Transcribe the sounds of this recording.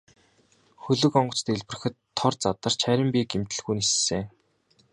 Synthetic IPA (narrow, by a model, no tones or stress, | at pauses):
xɵɮɵ̆kɔɴɢɞ̆t͡st̪eɮpɘ̆r̆xɘ̆t̪ʰːɔrt͡sat̪ə̆r̥t͡ɕʰæɾʲɪ̆mpiːkemt̪ɘ̆ɮɣujnisseː